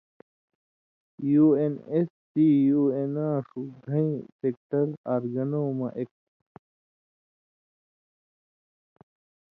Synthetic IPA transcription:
juːenes | sijuːenaːʂud̪ʱɐ̃ĩsek̚ʈɐɾaːɾɡɐnoːmɐʔek̚

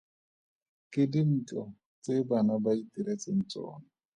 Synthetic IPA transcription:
kɪdin̩t͡ɬɔ | t͡sebanabaitiɾet͡sɪn̩t͡sʼɔ̰ːna

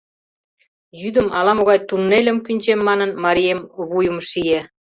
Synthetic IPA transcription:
jyd̪ə̆mɑlɑmoɣɑjt̪unːelʲə̆mkynʲt͡ɕemːɑnənmɑɾʲiemβujə̆mʃije

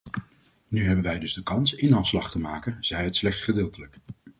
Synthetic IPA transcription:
nyɦɛbənʋɛjdɵzdəkɑnsɪnɦɑslɑχtəmaːkənz̥ɛjɦətslɛχtsχədɪːlˠtələk

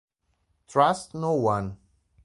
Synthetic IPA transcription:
tʰɹastnowãn

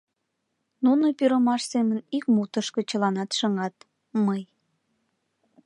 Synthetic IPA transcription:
nunopyɾəmɑʃsemənikmut̪əʃkət͡ɕəlɑnɑt̪ʃəŋɑt̪ | məj

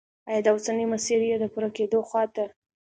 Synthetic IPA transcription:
ajɑd̪awsanimasiɾijed̪əpuɾaked̪oxwɑt̪a

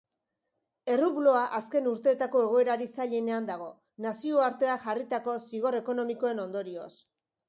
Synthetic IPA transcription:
e̞ruβlo̞aʔaske̞nuɾt̪e̞ːt̪ako̞e̞ɣ̞o̞e̞ɾaɾisaʎe̞ne̞and̪aɣ̞o̞ | nasio̞aɾt̪e̞axarit̪ako̞siɣ̞o̞ɾe̞ko̞no̞miko̞e̞no̞nd̪o̞ɾio̞̰s

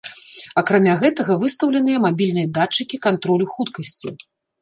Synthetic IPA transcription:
ɐkɾamʲaɣɛt̪ɐɣɐvɨst̪ɐwlʲɛnɨjɛmabʲilʲnɨjɐd̪at͡ʂːɨkʲikant̪ɾɔlʲuxut̪kɐsʲt͡sʲḭ

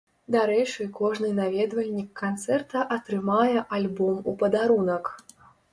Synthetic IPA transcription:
d̪aɾɛt͡ʂɨkɔʐnɨnavʲɛd̪vɐlʲnʲikːant̪sɛrt̪ɐʔɐt̪ɾɨmajɛʔalʲbɔmupɐd̪aɾunɐk

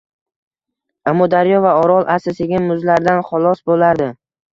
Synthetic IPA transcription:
amːɒd̪aɾjɒvaɒɾɒlˠʔasɪsɪɡʲɪmʊzlaɾd̪anχʊlˠɒsbolaɾd̪ɪ

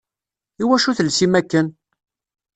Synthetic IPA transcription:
iwæʃuθəlsimækːən

